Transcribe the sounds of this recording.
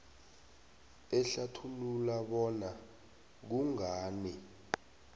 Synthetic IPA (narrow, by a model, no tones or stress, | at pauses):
ɛɬatʰululaɓɔna | k̬uŋaːnɛ